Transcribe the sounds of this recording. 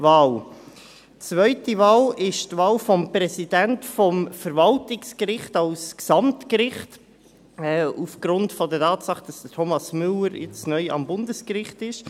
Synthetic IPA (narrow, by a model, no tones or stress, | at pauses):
vɑːl | t͡svœʏtivɑːlɪʃtvɑːlfɔmpɾɛsidɛntfɔmfəɾvɑltɪkskɾɪχtɑlsksɑmtkɾɪχt | ɛːufɡ̥ɾʊntfɔdətʰɑːtsɑχd̥ɑsd̥ətʰomɑsmʏləɾjɪ̰t͡snœʏɑ̰mbʊndəskɾɪχtɪʃ